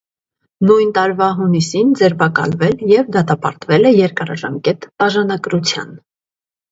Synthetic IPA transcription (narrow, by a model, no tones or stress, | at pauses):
nujnt̪ɑɾvɑɦunisind͡zɛɾbɑkɑ̰lvɛljɛvd̪ɑt̪ɑpɑ̰ɾt̪vɛlɛjɛɾkɑɾɑ̰ʒɑmkɛt̪b̥ɑʒɑnɑɡɾut͡sʰjɑ̰n